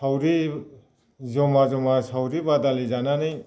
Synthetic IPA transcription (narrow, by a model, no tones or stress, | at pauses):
sawɾi | zɔmazɔmasawɾibad̪alizananɯj